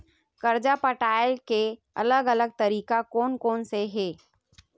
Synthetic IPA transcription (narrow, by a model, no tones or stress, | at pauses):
kɐɾd͡ʒapəʈaːɪlke | ɐ̰ləɡələɡ̚t̪ɐɾiːkakoːnkoːnseɦeː